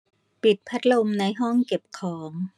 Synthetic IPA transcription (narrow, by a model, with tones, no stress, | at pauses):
pi˨˩t̪̚pʰa˦˥t̪̚lo˧mna˧jɦɔ˥˩ŋke˨˩p̚kʰɔː˩˦ŋ